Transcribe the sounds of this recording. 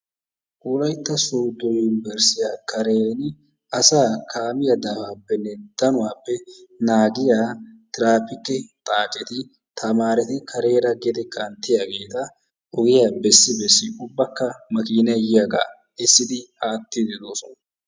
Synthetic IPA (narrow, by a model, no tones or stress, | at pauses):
kuːlɐjt̪ːɐsuːd̪ːɔjʊnɪbɛɾsɪjaːkʰɐɾeːn | ʔɐsaːkʰaːmɪjɐd̪aːfaːpːɛnːɛd̪̥ɐnʊwaːpːɛnaːɡɪjaːt̪ɪɾaːpɪkːɛt̪ʼaːt͡ʃʼɛt̪ɪ | t̪ʰɐmaːɾɛt̪ɪkʰɐɾe̞ːɾɐɡɛd̪ɛkʰɐnt̪ːɪjaːɡe̞ːt̪ɐ | ʔɔɡɪjaːbɛsːɪbɛsːɪʔʊbːɐkːɐmɐkiːnɐjɪjaɡa̰ː | ɛsːɪd̪ɪaːt̪ːɪd̪ɛd̪oːsɔnɐ